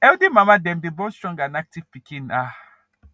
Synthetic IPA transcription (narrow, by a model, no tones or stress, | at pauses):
ɛwdimamadɛmdibɔstɾɔ̃ŋɡanak̚tivpikĩna